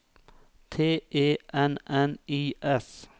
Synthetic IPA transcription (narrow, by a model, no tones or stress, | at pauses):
t̪ʰeːʔeːʔɛnʔɛniːʔɛs